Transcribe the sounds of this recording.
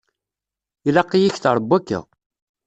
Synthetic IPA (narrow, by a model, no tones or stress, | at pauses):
ilæqːijiçθɾˤəbːækːə̰